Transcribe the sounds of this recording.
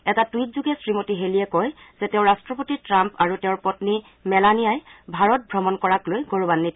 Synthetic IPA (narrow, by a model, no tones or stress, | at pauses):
ɛtatuitzuɡɛsɹimotiɦelijɛkɔjz̥ɛteʊ̃ɹastɹɔpotitɹampaɹuteʊɹpɔtni | mɛlanijajbʱaɹɔt̚bʱɹɔmɔnkɔɹaklojɡoɹubanːit